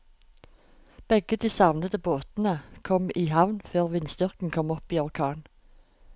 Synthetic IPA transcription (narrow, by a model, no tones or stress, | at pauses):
b̥ɛɡəd̪iːsɑʋnəd̪əboːt̪n̩əkʰɔmiːhɑʋnføːʁʋɪnsd̪ʏʁkn̩kʰɔmɔpiːɔʁkʰɑːn